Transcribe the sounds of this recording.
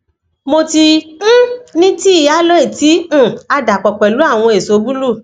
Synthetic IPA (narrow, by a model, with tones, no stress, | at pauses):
mo˧tĩ˧˦ | nĩ˦ti˦i˦˨ja˨˦lo˦e˦˨tĩ˨˦˨a˧da˨k͡pɔ˨k͡pɛ˨lu˨˦a˦˨w̃ɔ̃˧e˨so˨˦bu˦lu˦˨